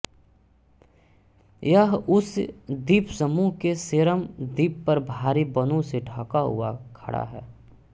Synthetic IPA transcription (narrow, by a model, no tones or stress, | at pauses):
jəɦʊsd̪iːpsəmuːɦkeseɾəmd̪iːpːɐɾbʱaːɾibənõseɖʱaːkaɦʊ̰akʰɐ̰ɽʔa̰ɦɛ̰ː